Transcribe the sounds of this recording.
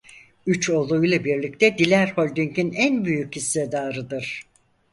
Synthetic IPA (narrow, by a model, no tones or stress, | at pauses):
yt͡ʃʰo̞lˠujlˠabiɾlʲic̚t̪ʰɛd̪ilʲæɾholʲd̪yɲcinænbyjycist̪ɛd̪aːɾɯd̪ɯɾ̥